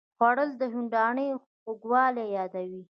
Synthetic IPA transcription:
xwaɽəld̪əɦuɳɖɑɳəjo | xoɡwɑlejɑd̪awi

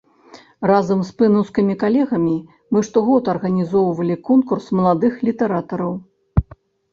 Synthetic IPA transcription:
razɐmspɨnɐwskimʲikalʲɛɣɐmʲi | mɨʂt̪ɔɣɔt̪ɐrɣɐnʲizɔwvɐlʲikɔnkursmɐlˠad̪ɨxlʲit̪ɛɾat̪ɐɾɐw

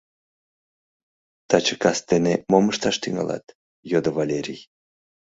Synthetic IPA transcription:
t̪ɑt͡ɕəkɑst̪enemoməʃt̪ɑʃt̪yŋɑ̰lʔɑ̰t̪ | jod̪ovalʲeɾʲij

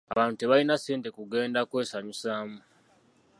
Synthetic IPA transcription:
a̰βaːnteβalinaseːntekuɡe̞ːndakwe̞ːsaɲusaːmu

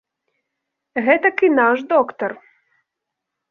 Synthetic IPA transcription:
ɣɛt̪ɐkinaʃd̪ɔkt̪ɔɾ

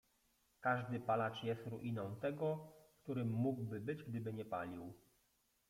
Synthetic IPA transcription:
kaʐd̪ɘpalat͡ʂjɛst̪ɾuʔinɔ̃w̃t̪ɛɡɔkt̪uɾɘmːuɡwbɘbɘd͡ʑɡd̪ɘbɘɲɛpa̰lʲiw

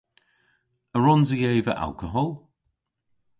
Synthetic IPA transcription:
əɹɔnzəjeːvə̰ʔa̰lˠkəɦɔlˠ

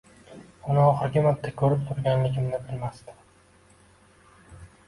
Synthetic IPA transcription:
ʊnɪɒχɨɾɡʲɪmat̪ːakʲʰɵɾɪp̚t̪ʰʊɾɡʲanlɪɡʲɪmnɪbɪlmast̪ɪ̥

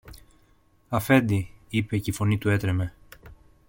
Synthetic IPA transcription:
ɐfe̞nd̪iipe̞ceifo̞nit̪ue̞t̪ɾeme̞

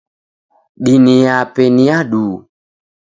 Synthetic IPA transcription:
ɓinijapeniaɗuː

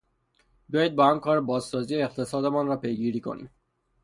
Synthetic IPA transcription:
bejiːd̪̚bɒhamkʰɒːɾbɒːzsɒːziːeeqt̪ʰe̞sɒːd̪emɒːnɾɒːpʰe̞jɡiːɾiːkʰo̞̰nḭːm

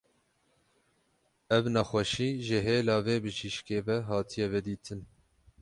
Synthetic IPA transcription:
ɛvnɛxʷɛʃiːʒəɦeːlɑːveːbɨʒiʃkeːvɛɦɑːt̪ʰijɛvɛd̪iːt̪ʰɨn

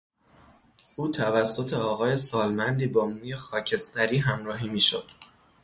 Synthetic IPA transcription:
uːt̪ʰævæsːot̪ʰe̞ɒːɣɒːje̞sɒːlmænd̪iːbɒːmuːje̞xɒːcʰe̞st̪æɾiːɦæmɾɒːɦiːmiːʃo̰d̪̥

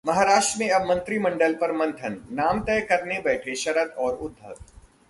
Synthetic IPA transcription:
mɐɦaːɾaːʃʈɾəmẽɐbmɐ̃nt̪ɾimɐ̃ɳɖəlpɐɾmɐ̃nt̪ʰənːaːmt̪ɛːjkɐɾnebɛːʈʰeʃɐɾəd̪ɔːɾʊd̪ʱːə̰

